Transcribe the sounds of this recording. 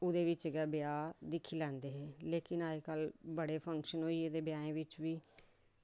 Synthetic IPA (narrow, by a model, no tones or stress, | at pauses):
ʊd̪eːʋɪt͡ʃɡɛːbjaːd̪ɪkʰiːlɛ̃ːnd̪eːɦeːleːkɪnaːekəlbəɽeːpʰə̃ŋkʃənɦoːied̪eːbjaːẽːʋɪt͡ʃʋiː